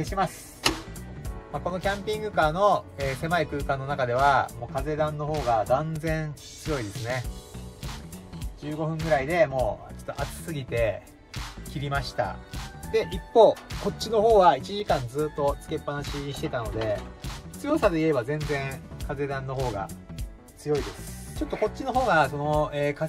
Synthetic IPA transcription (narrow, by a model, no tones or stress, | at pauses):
eɕimasɨ̥ | mako̞no̞kʲãmpʲĩŋɡɯ̟kaːno̞eːse̞maikɯ̟ːkãnːo̞nakad̪e̞β̞amo̞ːkaze̞d̪ãnːo̞ɦo̞ːɡad̪ãnd͡zẽ̞ɰ̃ | t͡sɨjo̞id̪e̞sɨne̞ | d͡ʑɨːɡo̞ɸɯ̟̃ŋɡɯ̟ɾaid̪e̞mo̞ːt͡ɕo̥t̪ːoʔat͡sɨ̥sɨɡʲit̪e̞ | kʲiɾʲimaɕi̥t̪a̰d̪̥e̞ʔipːo̞ːko̞tt͡ɕːino̞ɦo̞ːɡait͡ɕiʑikãnd͡zɨːt̪ːo̞t͡sɨ̥ke̞pːanaɕiɕi̥t̪e̞t̪ano̞d̪e̞t͡sɨjo̞sad̪e̞ie̞bazẽ̞nd͡zẽ̞ŋkaze̞d̪ãnːo̞ɦo̞ːɡa̰ | t͡sɨjo̞id̪e̞sɨ̥t͡ɕo̞t̪ːo̞ko̞t̚t͡ɕːino̞ɦo̞ːɡaso̞noeːka